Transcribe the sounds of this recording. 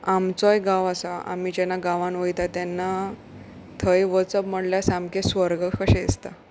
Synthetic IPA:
amt͡sɔjɡãʋasaa̰mid͡ʑɛnːaɡaʋãnʋəjt̪at̪janːa | t̪ʰəjʋət͡səpm̤əɽljasamkẽsʋəɾɡəkʰəɕɛ̃est̪a

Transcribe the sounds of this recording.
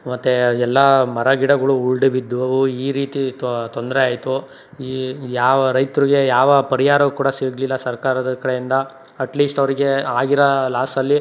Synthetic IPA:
mɐt̪ːeɛlːɐmɐɾɐɡiɽɐɡɐɭuuɭɖubid̪ːʋɐʋuiːɾiːt̪it̪o̞nd̪ɾeaːjt̪u | iːjaːʋɐɾɐjt̪uɾiɡe̞jaːʋɐpɐɾijaːɾɐukuːɽɐsiːɡlilːɐsɐɾkaːɾɐd̪ɐkɐɽejind̪ɐ | ɐʈliːsʈɐʋɐɾiɡe̞aːɡiɾɐlaːsɐlːi

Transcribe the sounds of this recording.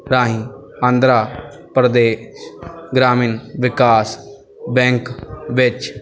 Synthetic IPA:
ɾaːɦĩː | ãːnd̪ɾaː | pɾəd̪eːʃɡɾaːmiːnʋɪkaːs | bɛ̃ːŋkʋɪt͡ʃ

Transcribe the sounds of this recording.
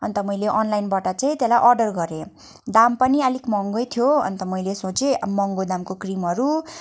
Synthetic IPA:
ʌ̰nt̪ʌmʌjleʔʌnlajnbaʈʌt͡saĩt̪elajʔʌrɖʌrɡʌɾe | d̪ampʌnialikmʌŋɡojt̪ʰjoʌ̰nt̪ʌmʌjlesot͡semʌŋɡod̪amkokrimɦʌɾu

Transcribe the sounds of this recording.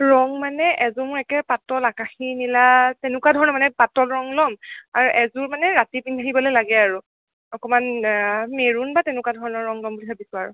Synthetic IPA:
ɹɔŋmanɛʔɛzɔmʊɹɛkɛpatɔlakaxinilatɛnʊkwadʱɔɹɔnɔmanɛpatɔlɹɔŋlɔmaɹuʔɛzʊɹmanɛɹatipinʰʱaɦibɔlɔjlaɡɛaɹu | ɔkɔmanmeɹunbatɛnʊkwadʱɔɹɔnɔɹɔŋlɔmbuliɦʰabisʊaɹʊ̰

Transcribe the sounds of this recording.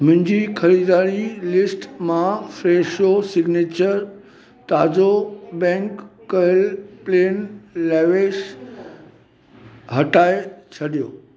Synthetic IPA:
mʊ̃ɦɪ̃ɲd͡ʑikʰɐɾiːd̪aːɾilɪsʈmãfɾeːʃosɪɡneːt͡ɕəɾ | t̪aːd͡ʑobɛ̃ːŋkːɐəlpleːnlɛːʋeːʃ | ɦɐʈaːet͡ɕʰɐɗijoː

